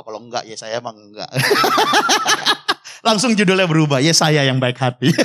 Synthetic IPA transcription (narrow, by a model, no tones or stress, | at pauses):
akaloəŋɡa̰ʔjasajamaŋəɡa̰ʔ | laŋsʊŋd͡ʒudʊljabəɾubahjasajajaŋbaɪkhat̪i